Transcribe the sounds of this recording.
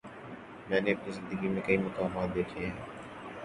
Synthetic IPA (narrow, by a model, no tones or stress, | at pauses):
mɛ̃ːneːpiːzɪnd̪əɡiːmẽːkəiːmʊkaːmaːt̪̚d̪eːʈʰeːɦẽː